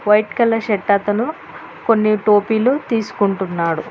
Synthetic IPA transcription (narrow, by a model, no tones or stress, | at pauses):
ʋɐjʈkɐlːɐʃɛʈːat̪ɐnu | konːiʈo̞ːpiːlut̪iːsu̥kuɳʈunːaːɽu